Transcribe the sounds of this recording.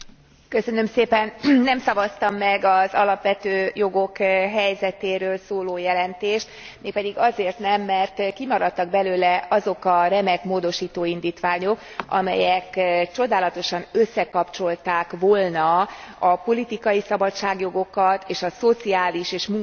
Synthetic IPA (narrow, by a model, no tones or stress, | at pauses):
kø̞sø̞nø̞mseːpɛnnːɛmsɒvɒst̪ɒmːɛɡɒzɒlɒpʋɛt̪øːjo̞ɡo̞kɦɛjzɛt̪eːɾøːlsoːloːjɛlɛnt̪eːʃt̪ | meːk̚pɛd̪iɡɒzeːrt̪nɛmːɛrt̪kimɒɾɒt̪ːɒɡ̚bɛløːlɛɒzo̞kɒrɛmɛkmoːd̪o̞ʃiːt̪oːind̪iːt̪ʋaːɲo̞k | ɒ̰mɛ̰jɛkt͡ʃo̞d̪aːlɒt̪o̞ʃɒnø̞sːɛkɒpt͡ʃo̞lt̪aːkʋoːlnɒɒpo̞lit̪ikɒjisɒbɒtt͡ʃaːɡjo̞ɡo̞kɒt̪eːʃɒso̞t̪siaːliʃeːʃmuŋ